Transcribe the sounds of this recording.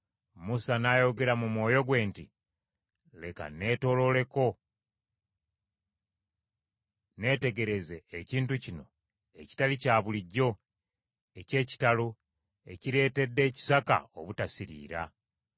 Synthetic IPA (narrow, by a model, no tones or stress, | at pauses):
musanajo̞ɡe̞ɾamumwo̞ːjo̞ɡwe̞ːnti | le̞ka̰ne̞ːto̞lo̞le̞ko̞ | ne̞ːte̞ɡe̞ɾe̞ze̞ːciːntucino̞̰ | e̞ci̥talicaːβuliɟːo̞ | e̞ce̞ːci̥talo | e̞̰ciɾe̞ːte̞dːe̞ːci̥saka̰oβutasiɾḭːɾa̰